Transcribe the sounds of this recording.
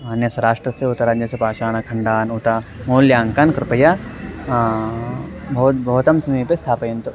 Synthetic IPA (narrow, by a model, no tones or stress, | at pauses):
maːnjɐsɐɾaːʂʈɾɐseut̪ɐɾaːd͡ʒɐsepaːt͡ʃaːnɐkʰɐɳɖaːnut̪amoːljaːŋkɐnkɾɪpɐja | bɐt̪bɐɦut̪ɐmsɐmiːpest̪ʰaːpɐjɐnt̪u